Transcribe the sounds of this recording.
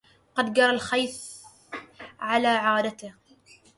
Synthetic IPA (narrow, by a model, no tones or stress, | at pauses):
qɑd̪ɡɑɾˤalxajθ | ʕalaːʕaːd̪at̪ɪh